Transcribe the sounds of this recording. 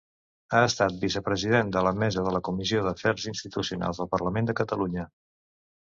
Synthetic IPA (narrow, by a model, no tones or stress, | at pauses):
aəst̪at̪̚bisəpɾəziðend̪ələmɛzəðələkumizioðəfɛɾzinst̪it̪usiuna̰lˠzðəlˠpərləmend̪əkət̪əluɲə